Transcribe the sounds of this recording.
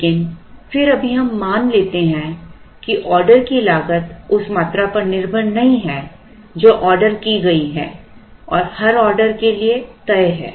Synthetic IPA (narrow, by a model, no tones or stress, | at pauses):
kɪnfɪɾɐbʱiɦɐmːaːnleːt̪eɦɛ̃ | kiʔɔːɾɖəɾkilaːɡət̪ʊsmaːt̪ɾapɐɾnɪɾbʱənːɐɦĩɦɛː | d͡ʒoːʔɔːɾɖəɾkiɡɐiɦɛːɔːɾhɐɾɔːɾɖəɾkeliet̪ɐeɦɛ̰ː